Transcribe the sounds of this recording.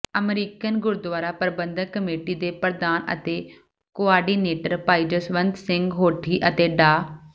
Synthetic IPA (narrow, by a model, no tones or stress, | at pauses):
əmɾiːkənɡʊɾd̪ʋaːɾaːpəɾbə̃nd̪əkːəmeːʈiːd̪eːpəɾd̪aːnə̰t̪eː | koaːɾɖiːneːʈəɾpaːid͡ʒəsʋə̃nd̪sɪ̃ŋɡɦoːʈʰiːʔət̪eːɖaː